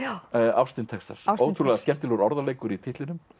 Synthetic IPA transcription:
awst̪ɪnt̪ʰɛkst̪a̰ɾ̥oːwt̪ʰuɾlaɣðascɛm̥t̪ɪlɔɾɔɾðaleːjkʏɾit̪ʰɪht̪lɪnʏm

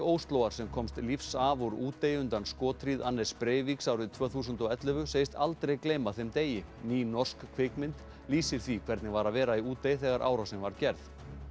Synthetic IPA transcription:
oːwst̪loːwɣaɾ̥sɛmkʰɔmst̪lifsavɔɾuːt̪ːejʏnt̪anskɔːt̪ʰɾiːðanːɛspɾeːjviksaːwɾɪt̪ʰv̥œːθuːsʏnt̪ɔɛt̪lʏvʏseːjɪst̪alt̪ɾejkleːjmaθemt̪eːjɪ | niːnɔr̥skkʰvɪkmɪnt̪ | liːsɪɾ̥θvikʰvɛɾt̪nɪvaɾaðvɛːɾaiuːt̪ːejɪθɛɣaɾʔa̰ːwɾasɛmvaɾ̥cɛɾð

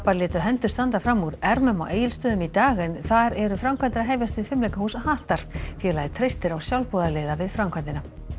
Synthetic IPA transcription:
paɾlɪːt̪ʏɦɛnt̪ʏ̥st̪ant̪afɾamːuɾɛɾmʏma̰wʔeːjɪlst̪œːðʏmit̪aːɣɪnθaɾɛɾʏfɾamkʰvant̪ɪɾaɦeːjvjast̪ʏfɪmlɛjkahuːsahaːht̪aɾ̥fjɛlajɪt̪ʰɾejst̪ɪɾawsjawlpuːðaleːðavɪðfɾamkʰant̪ɪna

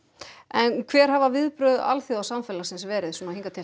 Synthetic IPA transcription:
ɛnkʰvɛːɾ̥havavɪðpɾʏða̰lθjɔðawsamfɛːlasɪnsvɛːɾɪðswɔnaiŋkat̪ʰɪ

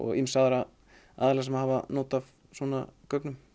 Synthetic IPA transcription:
ɔ̰ɣimsaðɾa | a̰ðalɛɣsɛmhavanoːt̪av | sɔːna̰kœknʏm

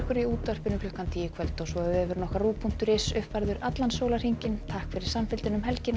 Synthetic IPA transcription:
kʏɾiuːt̪var̥pʏnʏklœʏhkant̪ʰiːjɪkʰvœlt̪ɔsvɔɛɛvʏɾnɔhkaruːpʰun̥t̪ʏɾɪsʏhpvajɾðʏɾat̪lansoːwlar̥hiɲcɪnt̪ʰahkfɪɾɪɾ̥samfɪlt̪ɪnʏmɦɛlcɪn

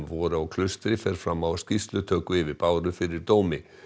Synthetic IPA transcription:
vɔːɾʏawkʰlʏst̪ɾɪfɛɾ̥fɾamːawscist̪lʏt̪ʰœːkʏɪvɪðpaːwɾʏfɪɾɪɾ̥t̪oːwmɪ

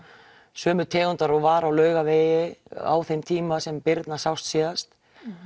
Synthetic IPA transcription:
sœːmʏt̪ʰɛːɣʏnt̪aɾɔɣvaːɾawlœːɥɣaveːjɪa̰wθejmt̪ʰiːmasɛmpɪɾt̪nasawst̪siːðast̪

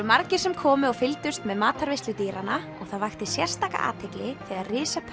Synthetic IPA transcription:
maɾcɪ̥sɛmkʰɔːmʏɔɣfɪlt̪ʏst̪mɛðmaːt̪ʰaɾvɪst̪lʏt̪iːɾana | ɔɣθaðvajxt̪ɪ̥sjɛr̥st̪aːka̰ʔa̰ːt̪ʰɪklɪθiːðarɪːsapʰ

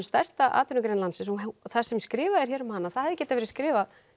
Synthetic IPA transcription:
st̪ast̪aʔa̰ːt̪ʏɾnʏkɾenlansɪnsɔθasɛmskɾɪːvaðɛɾ̥çjɛːɾʏmhanːaθaðɛðɪcɛːt̪avɛɾɪskɾɪːva

